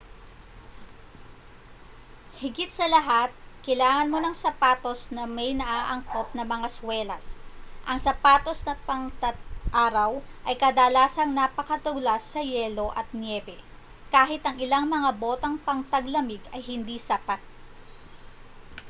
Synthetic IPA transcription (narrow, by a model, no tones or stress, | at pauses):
hɪɡɪt̪sɐlɐɦat̪̚kɐjlaːŋɐnmonɐŋsɐpaːt̪o̞snɐmɐjnɐʔaːʔɐŋko̞p̚nɐmɐŋaswɛlɐsʔɐŋsɐpaːt̪o̞snɐpɐŋt̪ɐt̪̚ʔaːɾɐwʔɐjkɐd̪ɐlaːsɐŋnaːpɐkɐt̪ʊɡlasːɐjɛːlo̞ʔɐt̪̚njɛːbɛ | kaːɦɪt̪ɐŋɪlaŋmɐŋabo̞ːt̪ɐŋpɐŋt̪ɐɡlɐmɪɡɐjhɪnd̪isɐpat̪̚